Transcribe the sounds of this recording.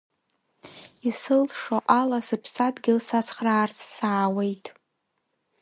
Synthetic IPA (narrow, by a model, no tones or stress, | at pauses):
isɨlʂoʔalasɨpʰsadɡʲɪlsat͡sʰχraːrt͡sʰsaːwejtʼ